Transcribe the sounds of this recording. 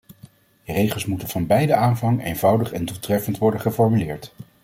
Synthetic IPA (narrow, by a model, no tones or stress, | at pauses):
ərejχəlˠsmutənv̥ɑnbɛjdəaːnvɑŋḛjnvɑwdəχɛndulˠtrɛfəntʋɔɹdəχəfɔɹmylɪːɹt